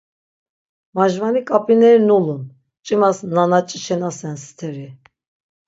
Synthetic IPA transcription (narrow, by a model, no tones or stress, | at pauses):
maʒvanikʼapʼinɛɾnulun | t͡ʃʼimasnanat͡ʃʼit͡ʃʰɛnasɛnst̪ʰɛɾi